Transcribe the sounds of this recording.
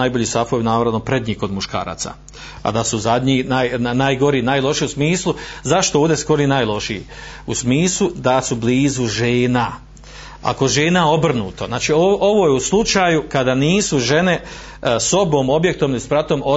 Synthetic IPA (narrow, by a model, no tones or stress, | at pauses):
ajbo̞ʎiːst̪afojinaːʋɾaʋnopɾed̪ɲiːko̞d̪muʃka̰ːɾa̰ːt̪sa̰ | a̰d̪asuzad̪ɲinajnajɡo̞ɾiːnaːjlˠo̞ʃiusmiːslˠuzaʃt̪ooːvd̪esko̞ɾinaːjlˠo̞ʃḭ | usmiːslˠud̪asubliːzuʒeːna | a̰ko̞ʒeːnao̞br̩nuːt̪oznaːt͡ʃioo̞ʋo̞jeuslˠut͡ʃaːjukad̪aniːsuʒe̞ne̞ | so̞bo̞ːmo̞bje̞k̚t̪omlispɾat̪o̞ːmo